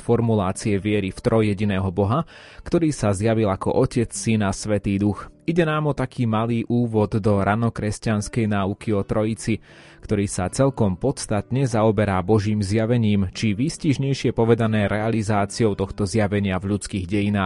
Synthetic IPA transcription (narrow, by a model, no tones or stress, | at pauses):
fɔɾmulaːt͡siɛʋɪɛɾift̪ɾɔjɛɟinɛːɦɔbɔɦa | kt̪ɔɾiːsazjaʋilakɔ̰ʔɔcɛt͡ssinasʋɛt̪iːd̪uxiɟɛnaːmɔt̪akʰiːmaliːʔuːʋɔd̪ːɔɾʔanɔkɾɛscanskɛjnaːukiɔt̪ɾɔit͡si | kt̪ɔɾiːsat͡sɛʎkɔmpɔt̪st̪at̪ɲɛzaɔbɛɾabɔʒiːmzjaʋɛɲiːmt͡ʃiʋisciʒɲɛjʃɪɛpɔʋɛd̪anɛːɾɛalizaːt͡siɔʊt̪ɔxt̪ɔzjaʋɛɲɪavʎut͡skiːɣɟɛjinaː